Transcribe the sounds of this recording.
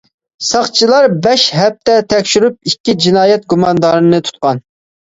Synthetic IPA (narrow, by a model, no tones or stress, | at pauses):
sɑχt͡ʃʰilˠɑɾbɛʃɦɛp̚t̪ʰɛt̪ʰɛkʲʃyɾyp̚ikʲːid͡ʒinɑːjɛt̪̚ɡumɑnd̪ɑɾɨnɨt̪ʰu̥t̪̚qɑn